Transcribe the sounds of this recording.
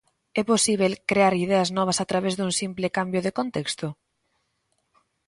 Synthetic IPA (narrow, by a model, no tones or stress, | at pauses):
ɛposiβ̞elkɾeaɾiðɛɐznɔβ̞ɐsat̪ɾaβɛzðuŋsimplɪkambjoðɪkont̪ɛkst̪ʊ